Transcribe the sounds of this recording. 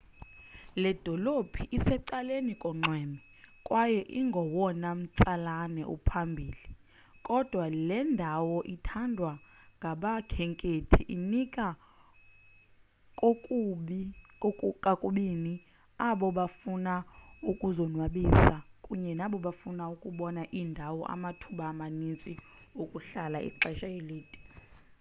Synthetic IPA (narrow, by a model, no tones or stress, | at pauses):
lɛd̥ʱɔlopʰiʔisɛǀalenikʼɔŋ͡ǃwɛːmi | kʼwʔajɛʔiŋɡʱɔwɔnam̩t͡sʼalanɛ̰ʔṵpʰambʱiːli | kʼɔd̥ʱwalɛndʱawɔʔitʰandʱwa | ŋɡʱaɓakʰɛŋkʼetʰiʔinikʼa | kʼokʼɓkʼukʼakʼuɓini | aɓɔɓafunaukʼuzɔnwaɓisakʼuɲɛnaɓɔɓafunaukʼuɓɔnaʔindʱawɔ̰ʔa̰matʰuɓaːmanint͡sʼi | ukʼuɬalaʔḭǃɛʃajeleːdʼi̥